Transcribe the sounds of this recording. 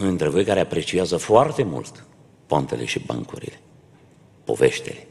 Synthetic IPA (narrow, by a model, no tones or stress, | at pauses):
ɨnt̪ɾevəjkaɾeapɾe̞t͡ʃiazəfoart̪e̞mṵlt̪ | poant̪e̞̰le̞̰ʃiba̰ŋkuɾḭle̞ | po̞̰ve̞ʃt̪ele